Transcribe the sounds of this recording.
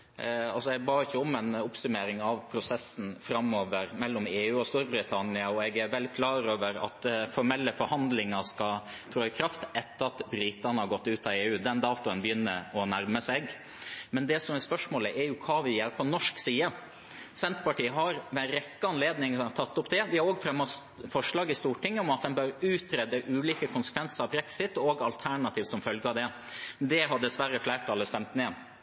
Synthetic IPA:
ɑlsɔɛɡ̚bɑːɪçːəɔmɛnʊpsʉmeːɾɪŋɑʋpʰɾʊsɛsːn̩fɾɑmoːʋəɾmɛlːɔmeːʉːɔst̪uːɾbɾɪt̪ʰɑnɪɑɔɛɡæɾʋɛlɪkʰlɑːɾoːʋəɾɑ̰t̪fɔɾmɛlːəfɔɾhɑnd̪lɪŋɑskɑ | t̪ʰɾoːɪkʰɾɑft̪ɛt̪ːəɾɑt̪bɾiːt̪ənəhɑɾɡɔt̪ːʉːt̪ɑeːʉːd̪ɛnd̪ɑːt̪ʊənbəjʏnːə̰ɾɔnæɾməsɛɡ | mɛnd̪ɛsɔmɛspœʂmoːləʔɛɾjʊkʰɑːʋɪjeːɾpʰɔnɔʂksiːə | sɛnt̪pɑʈiːəɦɑɾʋɛnɾɛkːəɑnleːd̪nɪŋt̪ʰɑt̪ːʊpd̪ɛʋɪhɑɾoːɡfɾɛmːɔs | fɔʂɭɑːɡɪst̪uːʈɪŋːəɔmɑt̪̚d̪ɛnbœɾʉːt̪ʰɾɛd̪əʔʉːliːkəkʰʊnsə̥kʰʋɛnsəɾɑʋbɾɛksɪt̪ɔɡɑlt̪ʰæɳɑt̪ʰiːʋsɔmfœlɡəɑʋd̪ɛ | d̪ɛɦɑɖ̪ɛsʋæɾəflæːʈ̪ʰɑːlːəst̪ɛmt̪neː

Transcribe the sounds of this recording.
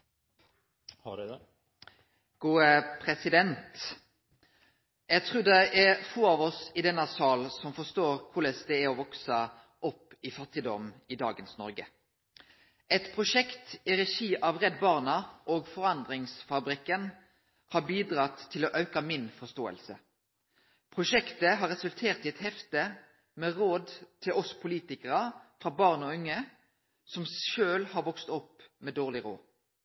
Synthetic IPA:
ɡ̥uːəpʰɾɛsɪd̪ɛnt̪ | jæɪt̪ʰʁuːd̪ɛʔæfoːɑʋɔsɪd̪ɛnːɑsɑːlsɔmfɔst̪oːɾkʰʊləsd̪ɛæɾɔʋɔksə | ʔɔpːɪfɑt̪ɪd̪ɔmɪd̪ɑ̰ːɡənsnɔɾɡə | ʔɛt̪pʰʁʊʃɛkt̪ɪɾɛʃiːʔɑʋʁɛd̪bɑːʁnɑʔoːɡfɔʁɑnd̪ʁɪŋsfɑbɾɪkːən | hɑbiːd̪ʁɑt̪ʰːɪloːʔɑʉkɑmɪnfɔst̪oːə̰lsə | pʰʁʊʃɛkt̪əɦɑːʁɛsʉlt̪ʰeːʁt̪ɪɛt̪hɛft̪ə | meːʁoːd̪t̪ʰɪlʔɔspʰʊliːt̪ɪkəʁɑfʁɑːbɑʁnɔʉŋːə | sɔmʃøːlhɑːʁʋɔkst̪ɔpːmeːd̪oːʁlɪʁo̰ː

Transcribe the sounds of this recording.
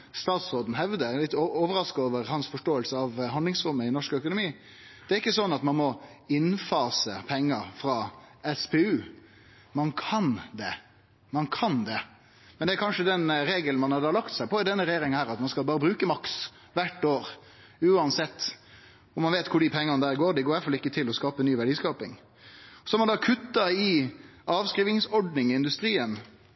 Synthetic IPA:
st̪ɑːt̪sɾoːd̪n̩ɦɛʋd̪əlɪt̪ːooːʋəɾɑskɑoːʋəɾhɑnsfɔʂʈoːəlsəɑʋɦhɑnd̪lɪŋsɾʊmːəɪnɔʂkœkʊnʊmiː | d̪̥ɛæɾɪkːəsɔnːɑt̪mɑnmɔɪnfɑːsəpʰɛŋːəɾfɾɑːɛspʰeʉː | mɑnkʰɑnd̪ɛ | mɑnkʰɑnd̪ɛ | mɛnd̪ɛæɾkʰɑnʂəd̪ɛnɾeːɡəlnmɑnhɑɾd̪ɑːlɑkt̪sæɪpʰɔɪd̪ɛnːəɾɛjeːɾɪŋhæːɾɑt̪mɑnskɑlbɑːɾəbɾʉːkəmɑks | ʋæʈːoːɾ | ʉːɑnsɛt̪ː | ɔmɑnʋeːt̪kʰʊɖipʰɛŋːɑnəd̪æːɾɡoːɾd̪ɪɡoːɾjæfɔlɪkːət̪ʰɪlɔskɑːpənyːʋæɖiːskɑːpɪ̰ŋ | ɔsɔhæɾmɑnd̪ɑːkʰʉt̪ːɑɪɑːʋskɾiːʋɪŋsɔɖnɪŋɪnd̪ʉst̪ɾiːən

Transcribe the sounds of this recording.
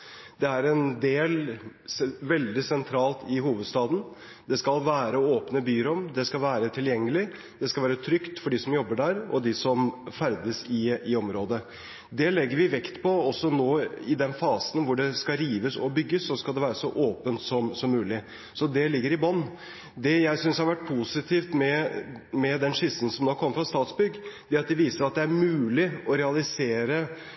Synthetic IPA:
d̪̥ɛæɾɛnd̪eːl | ʋɛld̪ɪsɛnt̪ʰɾɑːlt̪ʰɪhuːʋəd̪st̪ɑːd̪n̩ | d̪ɛskɑlʋæːɾəoːpnəbyːɾɔmd̪ɛskɑlʋæːɾət̪ʰɪljɛŋːəlɪ | d̪̥ɛskɑlʋæːɾət̪ʰɾʏkt̪fɔɖiːsɔmjɔbːəɖæɾɔ̰d̪ɪsɔmfæɾd̪əsɪɪɔmɾoːd̪ə | d̪ɛlɛɡːəɾʋɪʋɛkt̪pʰɔɔsːɔnoːɪd̪ɛnfɑːsənʋʊɖɛskɑɾiːʋəsɔbʏɡːəsːɔskɑld̪ɛʋæːɾəsɔʔoːpənt̪sɔmsɔmːʉːlɪ | sɔd̪ɛlɪɡːəɾɪbɔnː | d̪ɛjæɪsʏnshɑɾʋæʈ̚ːpʰusɪt̪ʰiːft̪mɛmɛd̪ɛnʂɪsən̩sɔmnoːkʰɔmːəfɾɑst̪ɑːt̪sbʏɡːd̪ɛæɾɑt̪̚d̪ɛʋiːsəɾɑt̪̚d̪ɛæɾmʉːlɪɔɾɛɑlɪseːɾə

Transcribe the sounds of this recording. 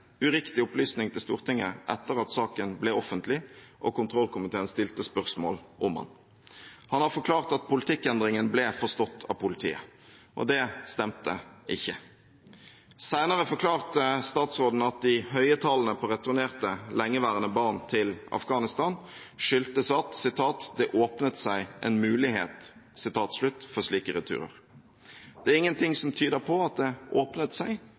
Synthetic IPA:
ʉʁɪkt̪ɪʊplyːsnɪŋt̪ʰɪlst̪uːʁt̪ʰɪŋːə̰ʔɛ̰t̪ːəʁɑt̪sɑːkənblɛɔfənt̪ʰlɪʔɔkʊnt̪ʰʁɔlkʊmɪt̪ʰeːənst̪ɪlt̪əspœʁsmo̰ːlʔʊmhɑ̰n | hɑnhɑʁfɔkʰlɑːʁt̪ɑt̪̚pʰʊlɪt̪ʰɪkːɛnd̪ʁɪŋənblɛːfɔʁst̪ɔt̪ːʰɑ̰ːʋpʰʊlɪt̪ʰḭːə̰ʔɔ̰d̪ɛst̪ɛmt̪ə̰ʔɪçːə | sæɪnəʁəfɔʁkʰlɑːʁt̪əst̪ɑːt̪sʁoːd̪n̩ɑt̪̚d̪ɪhœʏət̪ʰɑlnəpʰɔːʁɛt̪ʊʁneːʁt̪əlɛŋːəʋæːʁənəbɑːʁnt̪ʰɪlɑ̰fɡɑːnɪst̪ɑːn | ʃʏlt̪əsɑt̪sɪt̪ʰɑːt̪d̪ɛʔoːpnət̪sæɪʔɛ̰nmʉːlɪhḛːt̪sɪt̪ʰɑːt̪slʉt̪ːfɔʁʂliːkəɾɪt̪ʰʉ̰ːɾə̰ʁ | d̪̥ɛæʁɪŋːənt̪ʰɪŋsɔmt̪ʰyːd̪əpʰɔɑt̪̚d̪ɛʔoːpnət̪sæɪ

